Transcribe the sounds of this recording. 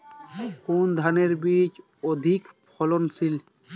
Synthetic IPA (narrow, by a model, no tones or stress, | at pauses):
kuːnd̪ʱaneɾbiːt͡ʃ | ɔd̪ʱikpʰɔlɔnsil